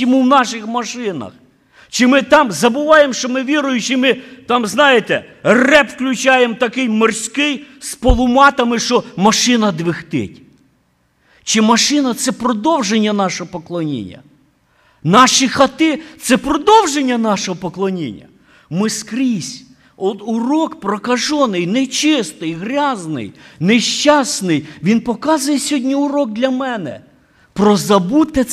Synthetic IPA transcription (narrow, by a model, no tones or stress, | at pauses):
ɔmuwnɑʃɪxmɐʃɪnɐ̰x | t͡ʃɪmɪt̪ɑmzɐbʊʋɑjemʃt͡ʃɔmɪʋʲiɾʊjʊt͡ʃɪmɪt̪ɑmznɑjɪt̪ɛrɛpwklʲʊt͡ʃɑjemt̪ɐkɪjmɔrsʲkɪjspɔlˠʊmɑt̪ɐmɪʃɔmɐʃɪnɐd̪ʋɪxt̪ɪ̰tʲ | t͡ʃɪmɐʃɪnɐt̪sɛpɾɔd̪ɔwʒenʲːɐnɑʃɔɦɔpɔklˠɔnʲḭnʲːɐ̰ | nɑʃixɐt̪ɪt̪sɛpɾɔd̪ɔwʒenʲːɐnɑʃɔɦɔpɔklˠɔnʲḭnʲːɐ̰ | mɪskɾʲisʲ | ɔt̪ʊɾɔkpɾɔkɐʒɔnɪjnet͡ʃɪst̪ɪjɦɾʲɑznɪ̰jneʃt͡ʃɑsnɪjʋʲinpɔkɑzʊjɛsʲɔdʲnʲiʊɾɔɡ̚d̪lʲɐmɛnɛ̰ | pɾɔzɐbut̪ɛ